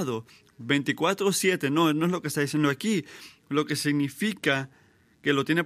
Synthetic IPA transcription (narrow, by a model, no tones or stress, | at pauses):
ðo̞ | βejnt̪ikwat̪ɾosje̞t̪e̞no̞no̞e̞zlokest̪aðisje̞nd̪oaki | lo̞ke̞siɣnifika | ke̞lo̞t̪jene